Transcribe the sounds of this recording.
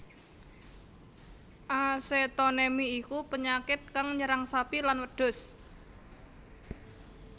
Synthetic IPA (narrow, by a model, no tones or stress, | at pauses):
ʔaset̪onemiːkupəɲakɪt̪̚kaŋɲəɾaŋsapilanwəɖ̥ʊ̤s